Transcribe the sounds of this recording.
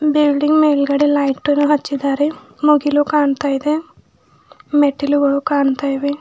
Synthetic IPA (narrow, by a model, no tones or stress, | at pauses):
bilɖiŋɡmejlɡɐɽilɐjʈːunuɦɐt͡ʃːid̪aːɾe | muɡilukaːɳut̪aːjid̪e | meʈːiluɡɐɭukaːɳut̪aːjʋe